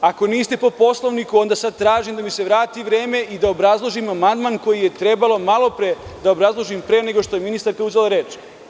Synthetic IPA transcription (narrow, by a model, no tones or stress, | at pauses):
ako̞niːst̪e̞po̞po̞slˠo̞ʋnikuo̞nd̪asad̪̚t̪ːɾaːʒimd̪amise̞ʋɾaːt̪iʋɾe̞ːme̞ʔid̪aobɾazlˠo̞ʒimamand̪manko̞jije̞t̪ɾe̞balo̞malˠo̞pɾed̪aobɾazlˠo̞ʒimpɾene̞ɡo̞ʃt̪o̞je̞minist̪aɾkauzelaɾe̞ːt͡ʃ